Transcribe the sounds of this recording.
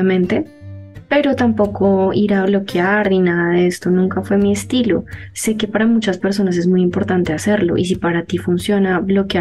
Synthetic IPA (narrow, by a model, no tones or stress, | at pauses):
amẽnt̪e | pe̞ɾo̞t̪ampo̞ko̞iɾaβlo̞keaɾninaðaðeest̪o̞nũŋkafwe̞mie̞st̪ilo̞se̞ke̞paɾamut͡ʃaspe̞ɾs̬o̞nas̬e̞zmujimpo̞ɾt̪ant̪e̞ase̞ɾlo̞̰ʔḭs̬ipaɾat̪ifunsjo̞naβlo̞kja